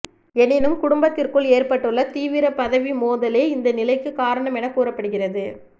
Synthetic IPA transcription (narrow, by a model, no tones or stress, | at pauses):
ɛnɪnɯmkʊɽʊmbɐt̪ːɪrkɯɭeːrpɐʈːɯɭːɐt̪iːʋɪɾɐpɐðɐʋimoːðɐleːɪnd̪ɐnɪlɐɪkːɯkaːɾɐɳɐmɛnɐkuːrɐpːɐɽɯɣɪrɐðɯ